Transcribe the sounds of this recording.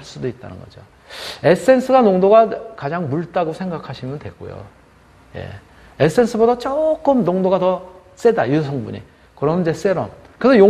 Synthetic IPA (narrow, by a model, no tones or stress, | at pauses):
aɭs͈udoit̚t͈a̰nɯnɡʌ̰d͡ʑo | e̞s͈ʰɯe̞nsʰɯɡanoŋdoɡakad͡ʑaŋmuɭt͈aɡosʰe̞ŋɡakʰaɕʰimjʌndwe̞̰ɡo̰jo̰ | je̞̰ | es͈ʰɯe̞nsʰɯbodat͡ɕ͈ok͈ɯmnoŋdoɡatʌ | s͈e̞da̰jusʰʌŋbuɲḭ | kɯɾʌnd͡ʑe̞s͈e̞ɾo̰m | kɯɾesʰʌjo